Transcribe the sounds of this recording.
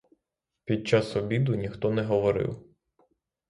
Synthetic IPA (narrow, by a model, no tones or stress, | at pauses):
pʲid̪̚t͡ʃɑsɔbʲid̪ʊnʲixt̪ɔnɛɦɔʋɔɾɪ̰w